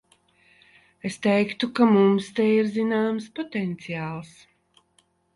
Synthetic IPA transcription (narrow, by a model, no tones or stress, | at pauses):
est̪ɛjkt̪ukamumst̪ɛjiɾzinaːmspɔt̪ɛnt̪sijaːlˠs